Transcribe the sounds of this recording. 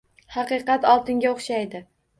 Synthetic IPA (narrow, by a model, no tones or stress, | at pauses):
hɑqɨqɑt̪ɒlˠt̪ɪŋɡʲaoχʃajd̪ɪ